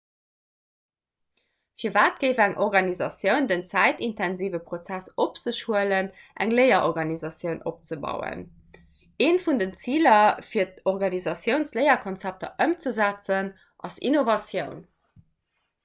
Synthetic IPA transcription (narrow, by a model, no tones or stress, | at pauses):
fiːɐvaːt̚ɡ̥əɪvæŋʔɔʁɡɑnizɑsjəʊndənt͡sæɪtintʰænziːvəpχot͡sæsop̚t͡səʃuələnʔæ̰ŋləɪɐʔoʁɡɑnizɑsjəʊnʔop̚t͡səbɑ̰ʊə̰n | eːnfundənt͡siːlɐfiːɐtoʁɡɑnizɑsjəʊnsləɪɐkʰont͡sæp̚tɐ̰ʔəmt͡səzæt͡sən | ʔɑsḭnovɑsjəʊn